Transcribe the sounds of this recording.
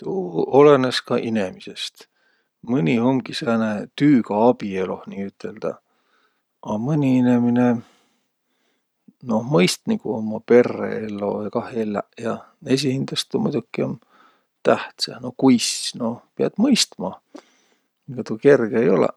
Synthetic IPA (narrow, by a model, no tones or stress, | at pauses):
t̪uːoleneskɑʔinemise̞st̪ | mɯnʲihomɡ̥isenet̪yːɡ̥ɑɑb̥ielo̞̰hniːyt̪ʰˑːe̞ld̪̥ɑ̰ | ʔɑmɯnʲiinemine | no̞hmɤjst̪nikuomːɑpe̞rːḛelːo̞̰jkɑhelːæ̰ʔjɑ | es̬ihind̪̥ɑst̪ːumṵjd̪ukːˑion | t̪æht̪sɑnokujsno̞peɑd̪̥mɤjst̪mɑ | ɡ̥ɑt̪uke̞rɡ̥eejo̞̰lḛ